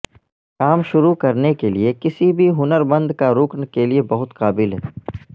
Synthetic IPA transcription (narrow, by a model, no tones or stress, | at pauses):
kaːmʃʊɾukɐɾnekeliekɪsibʱiɦʊnəɾbɐ̃nd̪kaɾʊknkeliebɐɦʊt̪qaːbɪlɦɛː